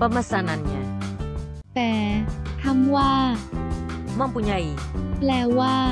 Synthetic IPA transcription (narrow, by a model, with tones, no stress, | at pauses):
pə˧ma˧sa˧na˨nɲa˧ | t̪ɛː˨˩˦t̪ʰa˥˩mwaː˥˩ | ma˧ŋpu˧ɲa˧i˨lɛː˧˩waː˥˩